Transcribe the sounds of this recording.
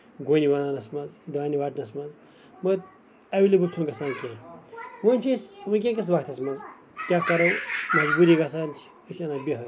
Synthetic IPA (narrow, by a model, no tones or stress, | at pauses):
ɡonʲiʋɐnaːnɐsmɐnzd̪aːniʋaːʈnɐsmɐnz | mɐt̪̚ | ɐʋʲelibɨlt͡ʃʰuŋɡɐsãːnkʲẽːwonʲt͡ʃʰesʋɨnk̬ʲẽːkʲɐs̬ʋakt̪ʰɐsmɐnz | t̪ʲakɐɾɐwmɐd͡ʒbuːɾʲiɡasaːnt͡ʃʰ | ɐʃʰɐnaːbʲiɦɐ